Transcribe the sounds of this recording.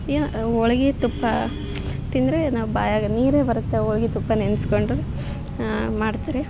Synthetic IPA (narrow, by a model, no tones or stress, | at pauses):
eːnɔɭɐɡit̪upːɐ | t̪ind̪ɾenaːʋuba̰ːjaːɡɐniːɾeːbɐɾut̪ːeɔɭɐɡit̪upːɐnenskoɳɖɾe | maːɖt̪aːɾe